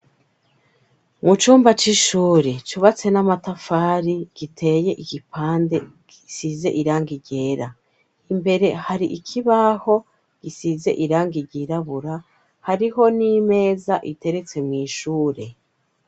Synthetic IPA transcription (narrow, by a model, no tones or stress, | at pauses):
mut͡ʃuːmbat͡ʃiʃuːɾet͡ʃuβat͡se̞namatafaːɾiɡ̥itʰe̞je̞ʔiɡ̥ipʰaːnde̞ɡ̥isize̞̰ʔiɾaːŋɡiɟe̞ːɾa | imbe̞ɾe̞haɾiʔikʰiβaho̞ | ɡ̥isize̞̰ʔiɾaːŋɡiɟiɾaβuɾa | haɾiɦo̞nime̞ːzaʔite̞ɾe̞t͡se̞mŋiːʃuːɾe̞